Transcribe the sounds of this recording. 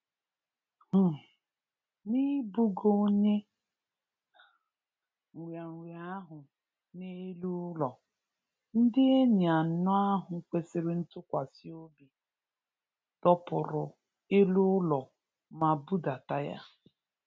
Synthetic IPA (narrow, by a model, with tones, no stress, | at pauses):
h̩˨ | ni˦bu˦ɡo˦ɲe˦˨ | wja˨ŋ̩˨wja˨a˦ɦʊ˨ | ne˦lu˦lɔ˨ | n̩˦dɪ˦e˦ɲ˨a˨˦nɔ˦a˦ɦʊ˨kʷe˦sɪ˦ɾɪ˦n̩˦tʊ˦kʷa˨si˦o˦bi˨ | tɔ˦pʊ˨ɾʊ˨ | e˦lu˦lɔ˨ | ma˨bu˦da˨ta˦ja̰˦